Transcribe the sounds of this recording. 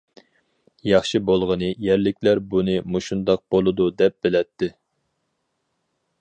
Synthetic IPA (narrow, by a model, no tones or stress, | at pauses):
jɑχʃɨbolˠʁənɨjɛɾlɪkʲʰlæɾbunɨmuʃund̪ɑq̚b̥olˠɨd̪ud̪ɛp̚b̥ɪlɛt̪ʰːɪ